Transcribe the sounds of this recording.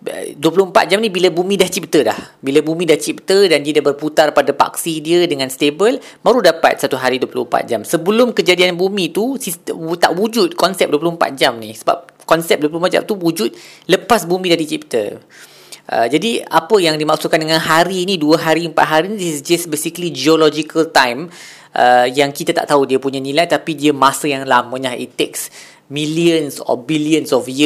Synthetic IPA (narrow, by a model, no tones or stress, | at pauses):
ə̰duəplʊhm̩pa̰t̪̚d͡ʒamnĩbilabumĩdaht͡ʃip̚t̪əlahbilabumĩdaht͡ʃip̚t̪ədandiədabərput̪arpadapa̰ksidiədəŋãnst̪ebəl | maɾudapa̰t̪̚sat̪uɦaɾiduəplʊhm̩pa̰t̪̚d͡ʒamsəbəlʊmkəd͡ʒadianbumĩt̪usist̪ət̪aʔwud͡ʒʊt̪̚kɔnsɛp̚duəp̬lʊhmpa̰t̪̚d͡ʒamnisəba̰p̚kɔnsɛp̚duəplumad͡ʒa̰m̚t̪uwud͡ʒʊt̪̚ləpasbumĩdaɾit͡ʃipt̪ə̰ | ʔə̰d͡ʒadiapəjaŋdimaksukandəŋãnɦaɾiːnĩduəɦaɾiəmpat̪̚ɦaɾinidissd͡ʒəsbesikəlid͡ʒiɔlɔd͡ʒikəlt̪ajm | ʔəjaŋkit̪at̪a̰ʔt̪audiəpuɲanilajt̪apidiəmasajaŋlamə̃lahḭt̪ːeks | miliənsɔ̰biliənsɔfjə